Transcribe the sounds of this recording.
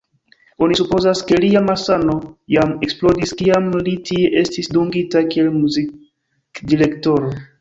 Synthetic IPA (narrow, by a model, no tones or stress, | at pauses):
o̞nisupo̞zaske̞liamasano̞jame̞ksplo̞diskiamlitie̞ʔe̞stisduŋɡitakie̞lmuzi | kdiɾe̞kto̞ɾo